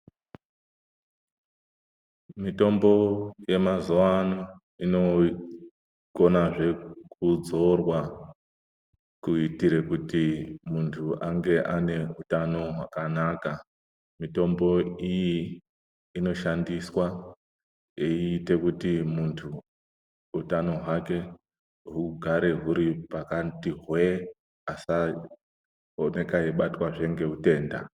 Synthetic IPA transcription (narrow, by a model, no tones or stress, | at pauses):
mito̞mbo̞je̞mazoano | ino̞ | ɡo̞naʐe̞kud͡zo̞rwa | kuitiɾe̞kutimuntʰuaŋɡe̞ʔane̞utano̞ɦwakanaka | mito̞mbo̞ijiː | no̞ʃandiswa | eiːte̞kutimuntʰu | utano̞ɦwake̞ | ɦuɡʱaɾe̞ɦuɾipakatiɦwe | asa | one̞kaeɓatwaʐe̞ŋɡe̞ɦute̞ːnda̰